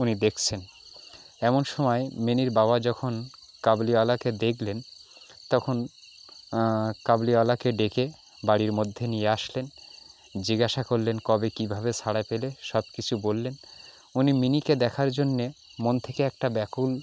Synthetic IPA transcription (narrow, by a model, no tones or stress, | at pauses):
unid̪ekʰt͡ɕʰen | ɛmonʃɔmɔemeniɾbaoad͡ʑɔkʰon | kablialaked̪ekʰlent̪ɔkʰon | kablialakeɖeke | baɽiɾmod̪ʱːenieaʃlen | d͡ʑiɡaʃakoɾlenkɔbekibʱaβet͡ɕʰaɽaepeleʃɔb̚kit͡ɕʰubolːen | uniminiked̪ɛkʰaɾd͡ʑonːe | mont̪ʰekeɛk̚ʈabɛkul